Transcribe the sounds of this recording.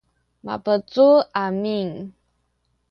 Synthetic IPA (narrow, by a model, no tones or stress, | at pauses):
ma̰pət͡suamiŋ